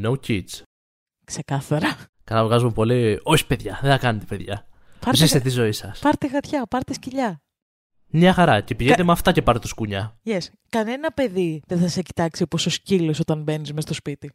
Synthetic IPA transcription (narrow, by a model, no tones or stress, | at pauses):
nowcit͡s | kse̞kɐθɐɾɐ | kɐlɐvɣɐzumepo̞lio̞çi̥pe̞ðʝɐðeθɐkɐnet̪epe̞ðʝɐ̰ | pɐɾzist̪et̪izo̞isɐspɐɾt̪eɣɐt̪çɐpɐɾt̪esciʎɐ | mɲɐxɐɾɐce̞piʝet̪emɐft̪ɐce̞pɐɾt̪et̪oskuɲɐʝes | kɐne̞nɐpe̞ðiðenθɐseci̥t̪ɐksiopo̞soscilosot̪ɐnbe̞nizmest̪o̞spit̪i